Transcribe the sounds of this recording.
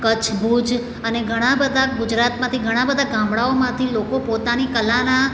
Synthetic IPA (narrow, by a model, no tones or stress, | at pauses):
kət͡ʃʰbʱud͡ʒ | əneɡʱəɽ̃ãbəd̪ʱaɡʊd͡ʒɾat̪mãt̪ʰiɡʱəɽ̃ãbəd̪ʱaɡãmɽaomãt̪ʰilokopot̪anikəlana